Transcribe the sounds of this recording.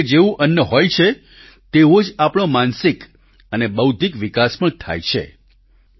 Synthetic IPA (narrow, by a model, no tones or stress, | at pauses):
d͡ʒeʋũʔənːəɦojt͡ʃʰe | t̪eʋod͡ʒapɽ̃omansik | ənebəwd̪ʱikʋikaspəɳt̪ʰa̰jt͡ʃʰḛ